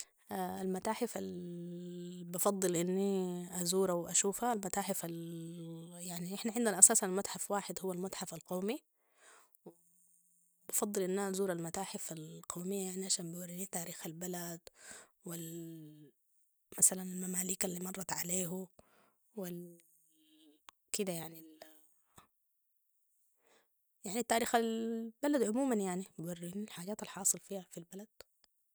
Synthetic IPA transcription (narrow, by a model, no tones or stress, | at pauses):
ʔaalmat̪aːħɪfal | bɑfɑd̪ˤːɨlʔɪnːiʔazuːɾawʔaʃuːfaːlmat̪aːħɪfal | jaʕniʔɪħnaʕɪnd̪anʔasaːsanalmat̪ħafwaːħɪd̪hʊwːalmat̪ħafalqoːmi | w | bɑfɑd̪ˤːɨlʔɪnːaʔazuːɾalmat̪aːħɪfalqawmɪjːajaaʕniʔaʃaːnbwɾinit̪aːɾiːxalbalad̪wɪl | masalanalmamaːliːkalːiːmɑrˤːɑt̪ʕaleːɦu | wɪl | kɪd̪ajaʕni | jaʕnit̪ːaːɾiːxalbalad̪ʕʊmuːmanjaʕnibiwarːʔɪnalħaːɟaːt̪alħɑːsˤɨlfiːhafilbalad̪̥̚